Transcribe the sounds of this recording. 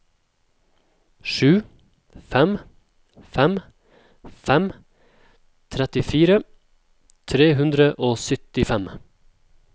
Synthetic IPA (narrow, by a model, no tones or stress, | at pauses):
ʃʉː | fɛm | fɛm | fɛm | t̪ʰɾɛt̪ɪfiːɾə | t̪ʰɾeːɦʉnd̪ɾəʔoːsʏt̪ɪfɛm